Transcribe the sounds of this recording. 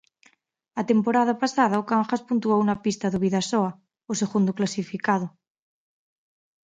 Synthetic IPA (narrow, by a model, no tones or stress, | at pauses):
at̪empoɾað̞apasað̞aokaŋxaspunt̪uowunapist̪aðuβiðasoa | oseɣund̪oklasifikaðo